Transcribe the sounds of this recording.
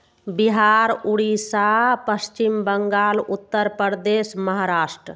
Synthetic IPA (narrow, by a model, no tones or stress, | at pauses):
biɦaɾuɽisapəst͡ʃimbəŋɡaːlut̪ːəɾpəɾd̪esməɦaɾaːsʈɾə